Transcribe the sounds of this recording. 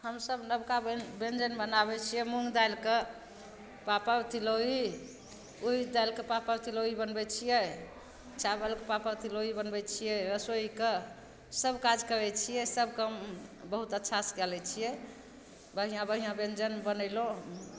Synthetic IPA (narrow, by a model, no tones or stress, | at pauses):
həmsəbnəbkabbend͡ʒənbənabɛt͡ʃʰijɛmuŋɡd̪ajlke | papəɾt̪ʰiloi | uid̪ajlkepapəɾt̪ʰiloibənbɛt͡ʃʰijɛ | t͡ʃabəlkepapəɾt̪ʰiloibənbɛt͡ʃʰijɛɾəsoike | səbkad͡ʒkəɾɛt͡ʃʰijɛsəbkəmbəɦut̪ətːʃʰaskɛlɛt͡ʃʰijɛ | bəɦijãbəɦijãbend͡ʒənbənəɪlõ